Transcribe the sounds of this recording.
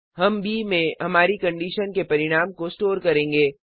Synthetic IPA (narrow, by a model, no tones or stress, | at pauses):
ɦɐmbʱimẽɦɐmaːɾikɐ̃ɳɖiːʃənkepɐɾɪɽ̃aːmkosʈoːɾkɐɾẽːŋɡeː